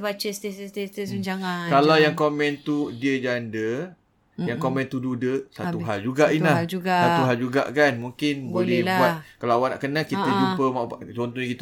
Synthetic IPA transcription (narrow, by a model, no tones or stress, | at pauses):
bat͡ʃəst̪esst̪est̪əsuɲd͡ʒaŋakallawjaŋkomɛ̃nt̪udiəd͡ʒandə | jaŋkomɛ̃nt̪ududəsauɦald͡ʒuɡaʔinlahd͡ʒuɡasat̪uɦald͡ʒuɡa̰ʔkanmuŋkɪnbolɛhlbbuat̪kalaawana̰ʔkənakit̪əd͡ʒuppəmat͡ʃɔnt̪uikit̪